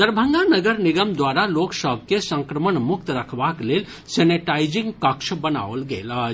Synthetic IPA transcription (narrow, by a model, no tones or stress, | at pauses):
d̪əɾbʱəŋɡanəɡəɾniɡəmd̪waɾaloksəbʱkesə̃ŋkɾəmənmuk̚t̪ɾəkʰbaklel | seneʈajd͡ʒiŋɡkəksʰbəna̰ʋəlɡeləɦ